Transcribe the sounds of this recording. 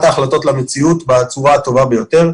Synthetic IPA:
t̪aːχlato̞tlamet͡siut̪bat͡suʁat̪o̞vabe̞jo̞t̪e̞ʁ

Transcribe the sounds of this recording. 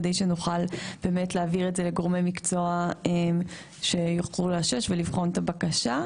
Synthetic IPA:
dejʃenuχalb̥e̞ːme̞tleaviʁetze̞le̞ɡo̞ʁmejmikt͡so̞aem | ʃe̞joχʁulaʃeʃvelivχo̞ntabakaʃa

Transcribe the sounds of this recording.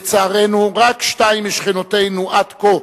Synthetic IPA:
t͡saːʁenuʁakʃtaimiʃχinotejnuʔad̪ko

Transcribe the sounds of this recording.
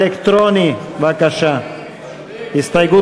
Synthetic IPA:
ekt̪ɾoniʋakaʃa | ist̪ajɡu

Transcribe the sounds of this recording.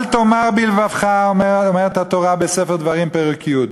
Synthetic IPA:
lt̪omaʁbilvavχaeomeʁet̪hat̪oʁabesefeʁd̪vaʁimpeʁukʰijut̪

